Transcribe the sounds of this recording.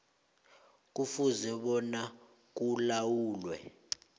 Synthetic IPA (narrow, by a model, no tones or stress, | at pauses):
k̬ufuzɛɓɔna | k̬ulawuːlwɛ̰